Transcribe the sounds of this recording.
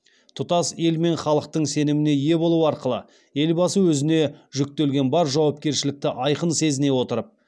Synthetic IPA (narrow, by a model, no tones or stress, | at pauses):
t̪ʰʊt̪ɑse̞lme̞ɴχɑlˠəq̚t̪əɴse̞nɪmɪne̞je̞bolˠuɑɾqəlˠə̰ | e̞lbɑsəwɵzɪne̞ʒʏk̚t̪e̞lɡʲe̞nbɑɾʒɑwɑp̚kʲe̞ɾʃɪlɪk̚t̪ɪʔɑjqənse̞zɪne̞wo̞t̪əɾəp̚